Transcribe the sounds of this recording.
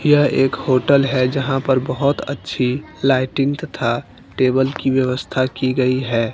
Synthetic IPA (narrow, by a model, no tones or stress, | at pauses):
jaʔeːkhoːʈəlɦɛd͡ʒɐɦãpɐɾbəɦʊt̪ə̰tːʃʰi | laːɪʈɪ̃ŋɡt̪ɐt̪ʰa | ʈeːbəlkiʋjəʋəst̪ʰakiɡɐiɦɛː